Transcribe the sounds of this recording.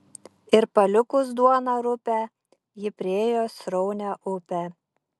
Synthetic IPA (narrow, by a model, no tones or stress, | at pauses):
ɪɾpɐlʲʊkʊsd̪uɔnɐɾʊpʲæ | jɪpʲɾʲɪeːjoːsɾɔʊnʲæʔʊpʲɛ